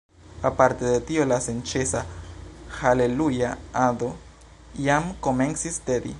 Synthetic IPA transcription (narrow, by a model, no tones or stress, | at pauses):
apaɾte̞detio̞lase̞nt͡ʃesa | hale̞lujaado̞ | jamko̞me̞nsisteɾḭ